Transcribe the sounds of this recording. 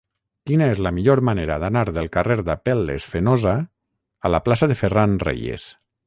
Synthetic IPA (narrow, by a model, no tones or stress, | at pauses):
kinaezlamiʎoɾmaneɾaðanaɾðelˠkareɾd̪apelːḛsfenoza | alaplasaðeferanrḛjḛs